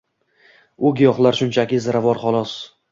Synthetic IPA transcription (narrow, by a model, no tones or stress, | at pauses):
ʊɡʲjɒχlˠaɾʃʊnt͡ʃʰakʲɪzaɾavɒɾχɒlˠɒs